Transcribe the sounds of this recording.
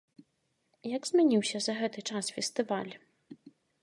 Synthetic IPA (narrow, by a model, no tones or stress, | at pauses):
jɐɡzʲmʲanʲiwsʲɐzɐɣɛt̪ɨt͡ʂasfʲɛst̪ɨvalʲ